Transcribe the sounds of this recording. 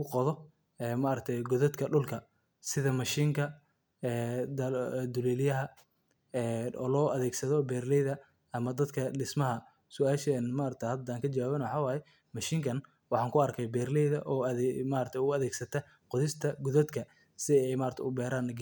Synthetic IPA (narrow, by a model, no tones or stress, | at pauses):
ʊqɔðɔ | ɛːmaɾɐk̚t̪ʰɛjɡɔðɐd̪kʰɐɖʊlkʰɐ | sɪðɐmɐʃiːŋkʰɐ | ɛːd̪ɐd̪ʊlɛːlɪjɐɦɐ | ɛːɔ̰ːlɔːʔɐðɛːɡsɐðɔbɛːrlɛjðɐ | ɐmɐd̪ɐd̪kʰɐɖɪsmɐɦɐ | sʊaːʃɛnmaːɾɐk̚t̪ʰɛhɐd̪aːŋkʰɐt͡ʃɐwaːβɛnwɑħɑːwaːjɛ | mɐʃiːŋkʰɐn | wɑħɑːŋkʰʊɐrkʰɛjbɛːrlɛjðɐʔɔːðɛmaːɾɐt̪ʰɛjʊʊɐðɛːɡsɐt̪ʰɐ | qɔðɪst̪ʰɐɡɔðɐd̪kʰɐ | sɪɛjmaːɾɐt̪ʰɛ̰ʊbɛːɾaːnɐɡ